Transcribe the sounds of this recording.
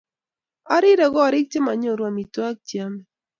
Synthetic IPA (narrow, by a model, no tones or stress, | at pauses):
aɾiɾaɣoaɾɪk̚t͡ʃemaɲoɾwamit̪uak̚t͡ʃiame